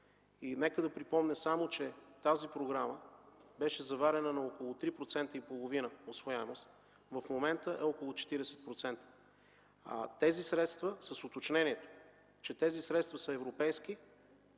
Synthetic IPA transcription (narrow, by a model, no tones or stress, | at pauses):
inɛkəd̪ɐpɾipɔmnɛsamot͡ʃɛt̪azipɾoɡɾaməbɛʃɛzɐvaɾɛnənɐokolˠot̪ɾipɾot̪sɛnt̪əipolˠovinəosvojaɛmost̪ | vəfmomɛnt̪əʔɛɔkolˠot͡ʃɛ̥t̪iɾɛsɛ̥t̪̚pɾot̪sɛnt̪ə̥ | a̰t̪ɛzisɾɛt̪st̪vəsəsot̪ot͡ʃnɛniɛt̪o̥ | t͡ʃɛt̪ɛzisɾɛt̪st̪vɐsəɛvɾopɛjsk̟i